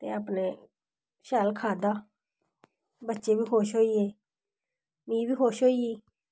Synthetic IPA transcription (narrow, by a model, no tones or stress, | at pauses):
t̪ḛːaːpneː | ʃaːlkʰaːd̪aː | bətːʃeːbiːɦoːʃɦoːiːeː | mĩːbiːɦoːʃɦoːiːeː